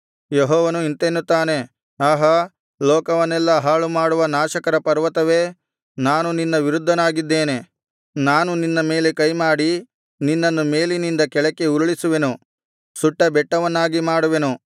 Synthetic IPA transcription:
jeɦɔːʋɐnuint̪enːut̪ːaːne̞ | aːɦɐ | lɔːkɐʋɐnːɛlːɐɦaːɭumaːɽuʋɐnaːʃɐkɐɾɐpɐɾʋɐt̪ɐʋe̞ː | naːnuninːɐʋiɾud̪ʱːɐnaːɡid̪ːe̞ːne̞ | naːnuninːɐme̞ːle̞kɐjmaːɽi | ninːɐnːume̞ːlinind̪ɐkɛɭɐkːe̞uɾuɭisuʋe̞nu | suʈːɐbɛʈːɐʋɐnːaːɡimaːɽuʋe̞nu

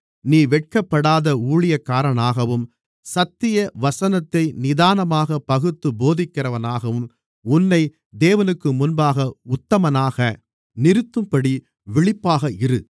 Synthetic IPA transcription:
niːʋɛʈ̚kɐpːɐɽaːðɐuːɭɪjɐkːaːɾɐnaːɣɐʋɯm | sɐt̪ːɪjɐʋɐsɐnɐt̪ːɐɪnɪðaːnɐmaːɣɐpːɐɣɯt̪ːɯboːðɪkːɪrɐʋɐnaːɣɐʋɯm | ʊnːɐɪ | d̪eːʋɐnɯkːɯmʊnbaːɣɐʊt̪ːɐmɐnaːɣɐ | nɪɾɯt̪ːɯmpɐɽi | ʋɪɭɪpːaːɣɐɪɾɯ

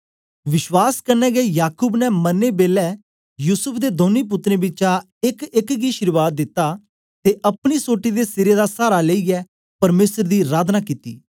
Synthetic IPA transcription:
ʋɪʃʋaːskəɾnɛːɡɛijaːkuːbnɛːmənːeːbeːlɛː | juːsəpʰd̪eːd̪oːniːp̬ʊt̪ːɾẽːbɪt͡ʃã | ɪkɪkɡiːʃɪɾʋaːt̪̚d̪ɪt̪ːaː | t̪eːʔəpɽ̃iːsoːʈːiːd̪eːsɪɾeːd̪aːsaːɾaːleiːɛː | pəɾmeːsəɾd̪iːɾaːd̪naːkiːt̪ḭː

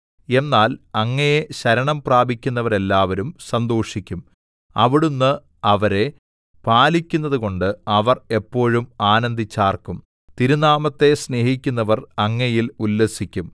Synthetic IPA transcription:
e̞nːaːlɐŋːɐjeɕɐɾɐɳɐmpraːbʱikʲːunːɐʋɐɾe̞lːaːʋɐɾumsɐnd̪oːʂikʲːum | ɐʋiɽunːɨ | ɐʋɐɾe̞ | paːlikʲːunːɐðuko̞ɳɖɨɐʋɐre̞pːo̞ːɻumaːnɐnd̪ʱit͡ɕːaːrkum | t̪iɾunaːmɐt̪ːe̞sne̞ːhikʲːunːɐʋɐrɐŋːɐjilulːesikʲːum

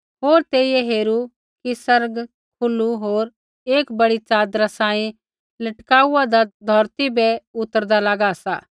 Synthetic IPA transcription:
ɦoːɾt̪eːijɛɦeːɾu | kisɐɾɡ | kʰʊluɦoːɾ | eːkbɐɽit͡ʃaːd̪ɾasãːĩ | lɐʈkaːuad̪ad̪ʱɔːɾt̪ibɛʊt̪ːəɾd̪alaɡasa̰ː

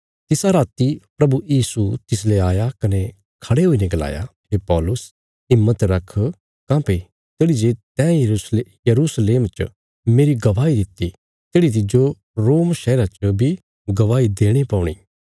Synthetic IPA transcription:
t̪ɪsaɾaːt̪ipɾɐbujiːsut̪ɪs̬leaːjakɐne | kʰɐɽeɦoinẽɡɐla̰ːja̰pʰeːpɔːlʊs | ɪmːət̪ɾɐkʰː | kãːpe | t̪eːɽid͡ʒeːt̪ɛ̃sjɐɾusleːmt͡ʃ | meːɾiɡɐʋaːid̪ɪt̪ːi | t̪eːɽit̪̬ɪd͡ʒo | ɾoːmʃɛːɾat͡ʃəbʱi | ɡɐʋaːid̪eːɽ̃epɔ̃ːʊɽ̃ḭː

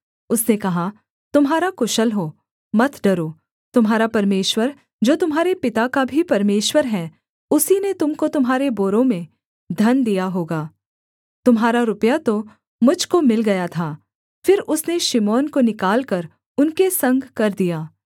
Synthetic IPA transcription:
ʊsnekɐɦa | t̪ʊmɦaːɾakʊʃəlɦoː | mɐt̪ʰɖɐɾoː | t̪ʊmɦaːɾapɐɾmeːʃwəɾ | d͡ʒoːt̪ʊmɦaːɾepɪt̪akabʱipɐɾmeːʃwəɾɦɛ̃ | ʊsinet̪ʊmkot̪ʊmɦaːɾeboːɾõmẽ | d̪ʱɐnd̪ijaɦoːɡaː | t̪ʊmɦaːɾaɾʊpjat̪o | mʊd͡ʒʱkomɪlɡɐjat̪ʰaː | fɪɾʊsneʃɪmɔːnkonɪkaːlkɐɾ | ʊnkesɐ̃ŋɡʱkɐɾd̪ijaː

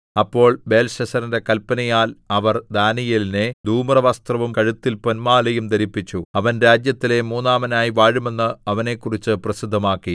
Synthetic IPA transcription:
ɐpːo̞ːɭbe̞ːlɕɐsɐɾinde̞kɐlpːɐnɐjaːlɐʋɐrd̪aːnijɐline̞d̪ʱuːmrɐʋɐst̪rɐʋumkɐɻut̪ːilponmaːlɐjumd̪ɐɾipːit͡ɕːuɐʋɐnɾaːd͡ʑjɐt̪ːile̞muːnːaːmɐnaːjiʋaːɻume̞nːɨɐʋɐne̞ːkːurit͡ɕːɨprɐsid̪ʱːɐmaːkːi

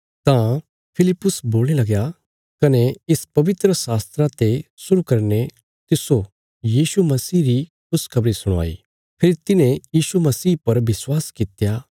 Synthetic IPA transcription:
t̪ã | pʰɪlɪpːʊsboːlnelɐɡja | kɐneɪspɐʋɪt̪ɾəsaːst̪ɾat̪esʊɾukɐɾne | t̪ɪso | jiːsumɐsiːɾikʰʊskʰɐbɾisʊɽ̃a̰ːḭ | pʰɪːɾt̪ɪnẽjiːʃumɐsiːpɐɾʋɪswaːskɪt̪jaː

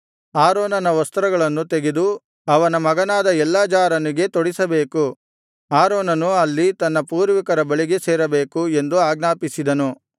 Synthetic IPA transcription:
aːɾoːnɐnɐʋɐst̪ɾɐɡɐɭɐnːut̪eɡed̪u | ɐʋɐnɐmɐɡɐnaːd̪ɐɛlːaːd͡ʒaːɾɐniɡe̞t̪oɽisɐbeːku | aːɾoːnɐnuɐlːit̪ɐnːɐpuːɾʋikɐɾɐbɐɭiɡe̞seːɾɐbe̞ːkue̞nd̪uaːɡnaːpisid̪ɐnu

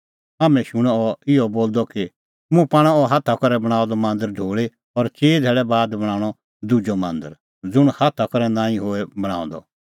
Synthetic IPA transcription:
aːmɛ̃ʃʊɽ̃ɔɔɪɔboːld̪ɔki | mũpaːɽ̃ɛɔɦat̪ʰakɔɾɛbɐɽ̃aːɔ̃d̪ɔmãːnd̪əɾɖʱoːɭe | ɔɾt͡ʃeːd̪ʱɛːɭɛbaːd̪bɐɽ̃ãːɽ̃ɔ | d̪ʊd͡ʒɔmãːnd̪əɾ | d͡zʊɽ̃hat̪ʰakɔɾɛnãːĩɦoːɛbɐɽ̃ã̰ːɔ̃d̪ɔ̰

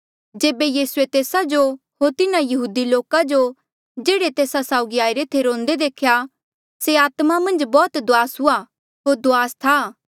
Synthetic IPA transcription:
d͡ʒeːbejiːsuet̪eːsad͡ʒo | ɦoɾt̪ɪnãjɐɦuːd̪iloːkad͡ʒo | d͡ʒeːɽet̪eːsasaːʊɡiaːiɾet̪ʰeɾõːnd̪ed̪eːkʰja | seaːt̪mamɐ̃nd͡ʒbɔːt̪d̪ʊaːsɦʊa | ɦoːɾd̪ʊaːst̪ʰa

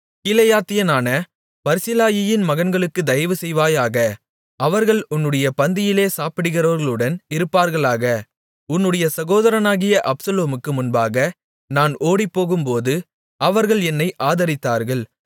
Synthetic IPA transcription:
kɪlɐjaːt̪ːɪjɐnaːnɐ | pɐɾsɪlaːjɪjɪnmɐɣɐnɡɐɭɯkːɯd̪ɐjʋɯsɛjʋaːjaːɣɐ | ɐʋɐɾɣɐɭʊnːɯɽɐjɐpɐnd̪ɪjɪleːsaːpɪɽɯɣɪɾɐːɾɣɐɭɯɽɐnɪɾɯpːaːɾɣɐɭaːɣɐ | ʊnːɯɽɐjɐsɐɣoːðɐɾɐnaːɣɪjɐʔɐpsɐloːmɯkːɯmʊnbaːɣɐ | naːnoːɽipːoːɣɯmpoːðɯ | ɐʋɐɾɣɐɭɛnːɐɪʔaːðɐɾɪt̪ːaːɾɣɐɭ

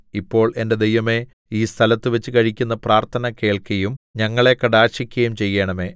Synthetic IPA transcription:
ipːo̞ːɭe̞nde̞d̪ejʋɐme̞ | iːst̪ʰɐlɐt̪ːɨʋet͡ɕːɨkɐɻikʲːunːɐpraːrt̪ʰɐnɐke̞ːɭkɐjumɲɐŋːɐɭe̞kɐɽaːɕikʲːɐjumt͡ɕe̞jːeːɳɐme̞ː

